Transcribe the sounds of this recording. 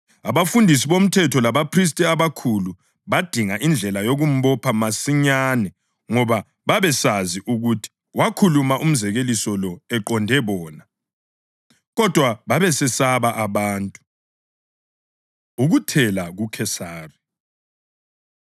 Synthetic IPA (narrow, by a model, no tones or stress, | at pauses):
aβafundʱis̬iβom̩tʰɛtʰɔlaβapʰris̬tʼiaβakʰulu | βad̥ʱiŋaʔind͡ɮʱɛlajoɣum̩βɔpʰamasiɲaːnɛ | ŋɔβa | βaβɛsaziʔuɣutʰi̥ | wakʰulumaʔum̩zɛɣelisɔlɔɛǃɔndʱɛβɔːna | ɣɔd̥ʱwaβaβɛsɛsaβaʔaβaːntʼu̥ | uɣutʰɛlaɣukʰɛsaːri